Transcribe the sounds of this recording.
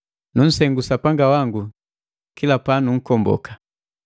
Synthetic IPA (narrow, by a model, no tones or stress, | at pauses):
nun̩sɛŋɡusapaŋɡawaŋɡu | kilapanuŋ̩kɔmbɔ̰kḁ